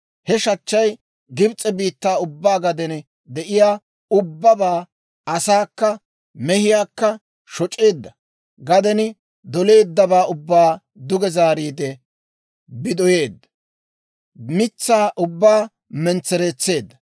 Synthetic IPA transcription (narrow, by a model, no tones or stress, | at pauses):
hɛʃɐt͡ʃːɐj | ɡɪbt͡sʼɛbiːt̪ːaːʊbːaːɡɐd̪ɛn | d̪ɛʔɪjaː | ʊbːɐbaː | ɐsaːkːɐ | mɛhɪjaːkːɐ | ʃɔt͡ʃʼːe̞ːd̪ːɐ | ɡɐd̪ɛnɪ | d̪ɔle̞ːd̪ːɐbaːʊbːaː | d̪ʊɡɛzaːɾiːd̪ɛ | bɪd̪ɔje̞ːd̪ːɐ̥ | mɪt͡sːaːʔʊbːaː | mɛnt͡sːɛɾet͡sːe̞ːd̪ːɐ̥